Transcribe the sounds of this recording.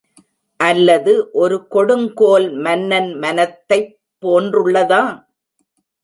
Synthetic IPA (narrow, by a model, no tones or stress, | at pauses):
ʔɐlːɐðɯʔɔɾɯkɔɽɯŋkoːlmɐnːɐnmɐnɐt̪ːɐɪpːoːndrɯɭːɐðaː